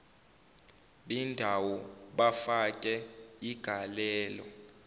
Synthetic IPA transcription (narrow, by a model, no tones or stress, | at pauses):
ɓindʱawɔɓafakʼɛiɡ̥ʱalɛːlɔ